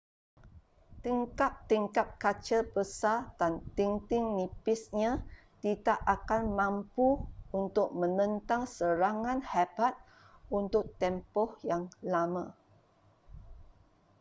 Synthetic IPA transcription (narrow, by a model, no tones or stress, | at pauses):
t̪iŋkap̚t̪iŋkap̚kat͡ʃəbəsadant̪iŋt̪ɪŋnipɪsɲã | t̪itaʔakanmãmpuunt̪ʊk̚mə̃nə̃nt̪ãŋsəɾaŋãnhabat̪̚ | unt̪ʊk̚t̪ɛmpɔhjaŋlamã